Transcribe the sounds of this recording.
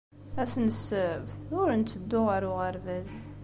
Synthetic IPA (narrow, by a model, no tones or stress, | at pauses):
æsnəsəəvθʊɾənt̪ːəd̪ːʊʁəɾʊʁəɾvæz